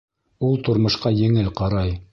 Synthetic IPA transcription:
ulˠt̪ŏɾmŏʃqɑjɘ̆ŋɘlqɑɾɑj

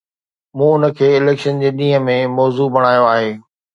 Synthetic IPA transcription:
mũːʊnə̆kʰeːɪleːkʃənd͡ʑeːɗĩːɦəmẽmɔːzubɐɽ̃aːjoaːɦeː

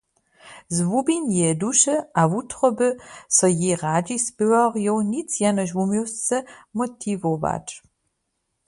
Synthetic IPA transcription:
zvubinjɛduʃəavut̪ʰχɔbɨsɔjiʁadisbəwaʁjɔwnit͡sʰjanɔʃvumjɔst͡sɛmɔt̪ʰivova̰ʈ͡ʂʼ

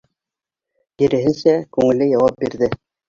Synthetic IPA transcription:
jĭɾɘ̆ɦɘ̆nsækʉŋɘ̆lɘjɑwɑp̚biɾðɘ

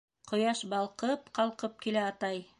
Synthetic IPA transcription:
qŏjɑʃbɑlˠqɤp̚qɑlˠqɤp̚kilæɑt̪ɑj

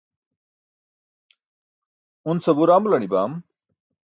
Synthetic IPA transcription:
unsʌbuɾamlɐniba̰m

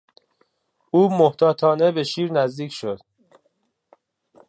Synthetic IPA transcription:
uːmoht̪ʰɒːt̪ʰɒːne̞be̞ʃiːɾnæzd̪iːcʰʃod̪̥

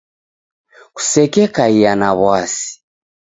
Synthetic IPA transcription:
ku̥sɛkɛkaijanaβwasi̥

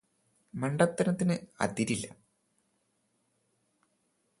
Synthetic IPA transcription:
mɐɳɖɐt̪ːɐnɐt̪ːinɨɐ̰d̪iɾilːɐ̰

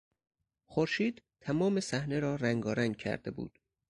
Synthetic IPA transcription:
xoɾʃiːd̪t̪ʰæmɒːmesæhne̞ɾɒːɾæŋɡɒːɾæŋɡ̚cʰæ̰ɾd̪e̞̰bṵːd̪̥

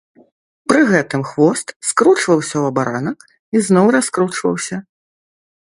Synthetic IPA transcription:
pɾɨɣɛt̪ɨmxvɔst̪skɾut͡ʂvɐwsʲɐwɐbaɾanɐk | iznɔwɾaskɾut͡ʂvɐ̰wsʲɐ

